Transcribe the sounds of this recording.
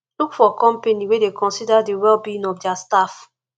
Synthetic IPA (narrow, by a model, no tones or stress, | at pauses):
lukfɔkɔ̃mpeniwedekɔ̃nsidadiwɛlbĩnɔfdɛastaf